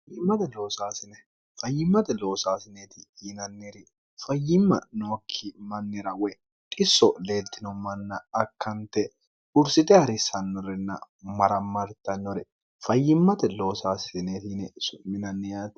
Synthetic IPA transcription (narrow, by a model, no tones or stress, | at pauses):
fjɪmːɐt̪ɛlo̞ːsaːsɪnɛ | fɐjːɪmːɐt̪ɛlo̞ːsaːsɪneːt̪ɪjɪnɐnːeːɾɪ | fɐjːɪmːɐ̰noːkʰːɪmɐnːɛɾɐwɔj | t̪ʼɪsːɔle̞ːlt̪ːɪnɔmɐnːɐːkːɐnt̪ːɛ | ʊɾsɪt̪ɛhɐɾɪsɐnːɔɾɛnːɐ̰ | mɐɾɐmːɐɾt̪ːɐnːɔɾɛ | fɐjːɪmːɐt̪ɛloːsaːsneːt̪ɪnɛsʊmɪnɐnːɛjaːt̪